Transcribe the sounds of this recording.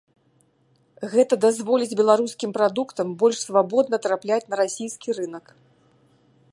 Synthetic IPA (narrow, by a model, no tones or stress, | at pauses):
ɣɛt̪ɐd̪azvɔlʲid͡zʲbʲɛlˠaɾuskʲimpɾad̪ukt̪ɐmbɔlʲʂsvabɔd̪̚nɐt̪ɾaplʲat͡sʲnɐɾasʲijskʲiɾɨnɐk